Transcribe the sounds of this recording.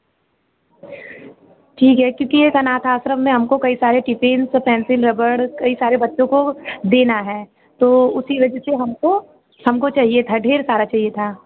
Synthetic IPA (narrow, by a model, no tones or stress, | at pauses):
ʈʰiːkɦɛkjõːkijekɐnaːt̪ʰaːsɾəmːẽɦɐmkokɐisaːɾeʈɪpeːnspɛ̃ːnsɪlɾɐbəɽkɐisaːɾebɐtːʃõkod̪eːnaɦɛː | t̪oːʊsiʋɐd͡ʒəseɦɐmko | hɐmkot͡ʃaːɦiet̪ʰaɖʱeːɾsaːɾat͡ʃaːɦiet̪ʰaː